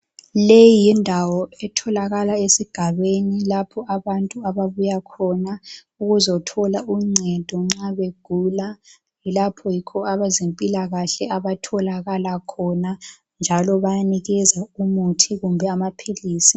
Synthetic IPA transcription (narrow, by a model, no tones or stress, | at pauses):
lejijindʱawɔɛtʰɔlaɣalaesiɡ̥ʱaβenilapʰɔaβantʼuaβaβujakʰɔna | uɣuzɔtʰɔlaʔuŋ͡ǀʱɛd̥ʱɔŋ͡ǁaβeɡ̥ʱula | ilapʰɔjikʰɔaβazempʼilaɣaɬɛaβatʰɔlaɣalakʰɔna | nd͡ʒʱalɔβajaniɣɛzaumutʰiɣumbʱɛamapʰiliːsi